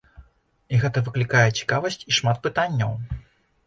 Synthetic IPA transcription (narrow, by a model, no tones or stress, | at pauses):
iɣɛt̪ɐvɨklʲikajɛt͡sʲi̥kavɐsʲt͡sʲiʂmat̪̚pɨt̪anʲːɐw